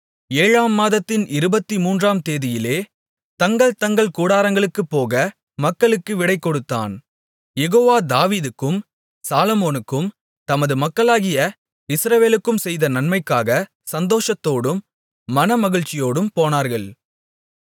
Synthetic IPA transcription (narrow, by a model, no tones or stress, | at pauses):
eːɻaːmːaːðɐt̪ːɪnʔɪɾɯbɐt̪ːimuːndraːmt̪eːðɪjɪleː | t̪ɐŋɡɐɭt̪ɐŋɡɐɭkuːɽaːɾɐŋɡɐɭɯkːɯpːoːɣɐ | mɐkːɐɭɯkːɯʋɪɽɐɪkːɔɽɯt̪ːa̰ːn | jɛɣoːʋaːd̪aːʋiːðɯkːɯm | saːlɔmoːnɯkːɯm | t̪ɐmɐðɯmɐkːɐɭaːɣɪjɐ | ɪsɾɐʋeːlɯkːɯmsɛjðɐnɐnmɐɪkːaːɣɐ | sɐnd̪oːʂɐt̪ːoːɽɯmː | ɐnɐmɐɣɪɻt͡ʃːɪjoːɽɯmpoːnaːɾɣɐɭ